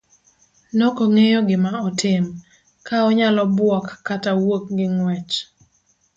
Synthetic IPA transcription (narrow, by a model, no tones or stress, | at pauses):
nokoŋejoɡɪmaɔtʰɪm | kaɔɲalɔbwɔkːatawok̚ɡɪŋwɛt͡ʃ